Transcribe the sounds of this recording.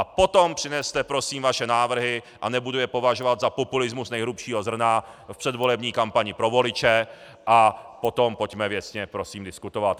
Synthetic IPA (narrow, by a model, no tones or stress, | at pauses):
ʔapo̞t̪ompr̥ɪnɛst̪ɛpɾo̞siːmvaʃɛnaːvr̩ɦɪ | ʔanɛbudujɛpo̞vaʒovad̪zapopulɪzmusnɛjɦɾupʃiːɦozr̩na | fpr̝̥ɛd̪vo̞lɛbɲiːkampaɲɪpɾo̞vo̞lɪt͡ʃɛ | ʔapo̞t̪o̞mpo̞cmɛvjɛsɲɛpɾo̞siːmdɪskut̪ovat̪